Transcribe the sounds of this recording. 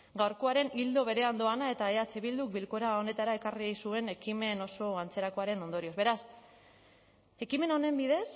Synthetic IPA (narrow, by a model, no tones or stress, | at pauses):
ɡawɾko̞aɾe̞nild̪o̞β̞e̞ɾe̞and̪o̞anae̞t̪aeat͡seβild̪uk̚bilko̞ɾao̞ne̞t̪aɾae̞karijsue̞ne̞kime̞no̞so̞ant͡se̞ɾako̞aɾe̞no̞nd̪o̞ɾio̞zβe̞ɾas | e̞kime̞no̞ne̞mbiðe̞s